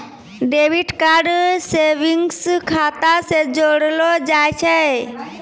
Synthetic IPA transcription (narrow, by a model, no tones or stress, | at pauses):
ɖeʋiʈkaɾɖseʋiŋɡskʰat̪ased͡ʒoɽlod͡ʒajt͡ʃʰɛ